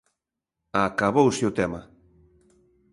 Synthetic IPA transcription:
akaβowsɪʊt̪ɛma

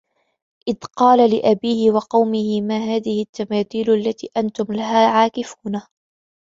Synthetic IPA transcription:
ʔɪðqɑːlalɪʔabiːhɪwɑqɑwmɪhɪmaːɦaːðɪhɪt̪ːamaːθiːlʔalːat̪ḭːʔant̪ʊmlaɦaːʕaːkɪfuːna

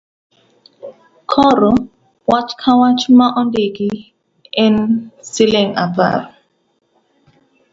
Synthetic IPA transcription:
kʰɔɾɔ | wat͡ʃkʰawat͡ʃumaʔɔndeɡi | ɛnsileŋa̰ba̰ɾ

